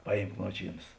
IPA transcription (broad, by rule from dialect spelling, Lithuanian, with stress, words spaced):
ˈpɑːˌjiːmk ˈnuɔt͡ʃʲiːˌnɐs